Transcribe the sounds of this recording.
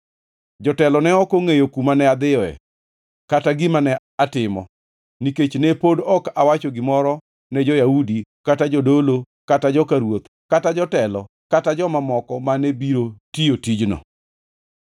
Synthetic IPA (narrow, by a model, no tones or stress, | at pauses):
d͡ʒɔtɛlɔnɛɔkoŋejokumanɛad̪ɪɔɛ̰ | kataɡɪmanɛ | atɪmɔ̰ | niket͡ʃnɛpodɔkawat͡ʃɔɡɪmɔɾɔ | nɛd͡ʒɔjaudikatad͡ʒɔdolo | katad͡ʒɔkaɾwot̪ | katad͡ʒɔtɛlɔ̰ | katad͡ʒɔmamɔkɔmanɛbiɾotijotid͡ʒnɔ̰